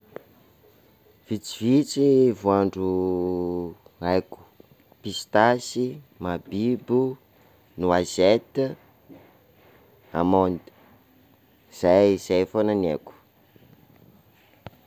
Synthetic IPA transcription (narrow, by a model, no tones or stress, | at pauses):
v̥it͡sivit͡sivuaɳɖ͡ʐu | ajku̥ | pist̪asimabibu | nuazet̪ | amɔnd̪ə̥ | z̥ajz̥ajfonaneku̥